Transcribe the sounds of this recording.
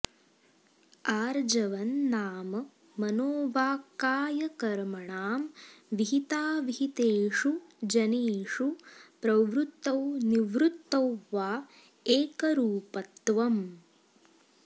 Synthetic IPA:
aːɾd͡ʒɐʋɐnːaːmɐ | mɐnoːʋaːkːaːjɐkɐɾmɐɳaːmʋiɦit̪aːʋiɦit̪eːʂud͡ʒɐneːʂupɾɐʋɾut̪ːɐwniʋɾut̪ːɐwʋaː | eːkɐɾuːpɐt̪ːʋɐm

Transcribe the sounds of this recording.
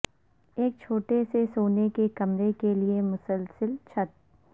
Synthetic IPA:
eːk̚t͡ʃʰoːʈesesoːnekekɐmɾekeliemʊsəlsəlt͡ʃʰɐt̪̚

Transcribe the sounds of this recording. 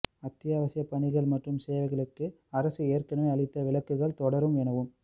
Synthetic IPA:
ɐt̪ːɪjaːʋɐsɪjɐpɐɳɪɣɐɭmɐʈrɯmseːʋɐɪɣɐɭɯkːɯ | ɐɾɐsɯeːrkɐɳɐmeɐɭɪt̪ːɐʋɪɭɐkːɯɣɐɭt̪ɔɽɐɾɯmɛnɐʋɯm

